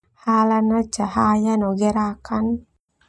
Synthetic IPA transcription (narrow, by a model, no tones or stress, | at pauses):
halanat͡ʃahajanɔɡɛɾakan